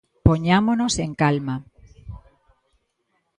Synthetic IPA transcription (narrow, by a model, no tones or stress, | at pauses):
poɲamonose̞ŋkalma